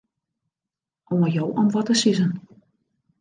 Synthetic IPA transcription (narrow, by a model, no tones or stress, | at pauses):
ʔoəjowʔɔmʋɔtəsizən